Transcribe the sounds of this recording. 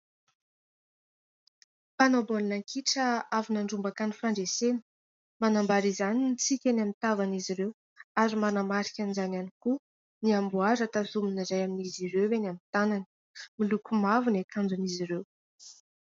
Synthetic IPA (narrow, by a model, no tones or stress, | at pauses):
panobolnaŋkʰiʈ͡ʂəavinaɳɖ͡ʐumbakanifaɳɖ͡ʐesenə̥ | manambaɾizaninit͡sikʲanamit̪avaniziɾew | aɾimanamaɾi̥kʲanizananiku | niambuaɾat̪azuminizajaminiziɾewwenamint̪ananə̥ | milukumavunekʰand͡zuniziɾew